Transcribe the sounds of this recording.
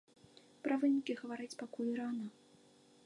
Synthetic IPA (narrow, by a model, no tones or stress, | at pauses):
pɾɐvɨnʲikʲiɣɐvaɾɨt͡sʲpakulʲɾana